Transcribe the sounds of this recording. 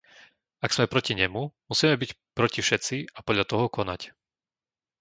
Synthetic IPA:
aɡsmɛpɾɔciɲɛmumusiːmɛbic | pɾɔcifʃɛtt͡siapɔdʎat̪ɔɦɔkɔna̰c

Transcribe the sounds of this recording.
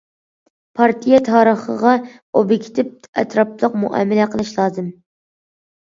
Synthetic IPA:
pʰɑɾt̪ʰijɛt̪ʰɑːɾəχə̰ʁɑ | obikʲʰt̪ʰɪp̚ɛ̰t̪ʰɾɑplˠəqmṵʔɑ̰mɪlɛqʰəlˠɨʃlˠɑːzɨm

